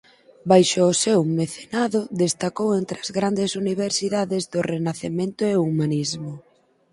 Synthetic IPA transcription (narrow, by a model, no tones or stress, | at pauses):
bajʃoːsewmeθenaðʊðest̪akowent̪ɾɪɐzɣɾand̪esuniβ̞eɾsiðaðɪzðʊrenaθemẽnt̪ʊeumanizmʊ